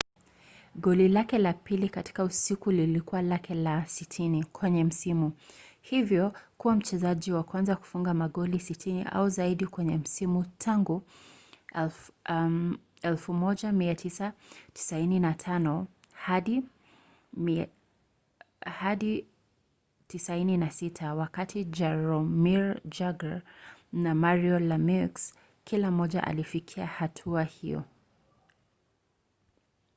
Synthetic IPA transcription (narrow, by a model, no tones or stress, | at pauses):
ɠɔlilakɛlapilikati̥kausikulilikuwalakɛlasitʰinikʰwɛɲɛm̩simuhivjɔkuwam̩t͡ʃɛzaʄiwakwanzaku̥fuŋɡamaɠɔlisitʰinḭʔa̰uzaiɗikwɛɲɛm̩simutʰaŋɡu | ɛlfumɔʄamiatʰisati̥saininatʰanɔ | haɗi | haɗi | tisaininasitʰawakatʰid͡ʒɛɾɔmiɹd͡ʒaɡaɹnamaɹiɔlamiks | kilam̩ɔʄa̰ʔa̰lifikʰiahatʰuahḭjɔ̰